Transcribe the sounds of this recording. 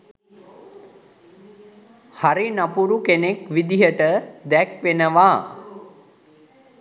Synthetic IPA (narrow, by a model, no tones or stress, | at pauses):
haɾinapuɾukenekʋid̪iɦəʈəd̪ɛkʋenəʋaː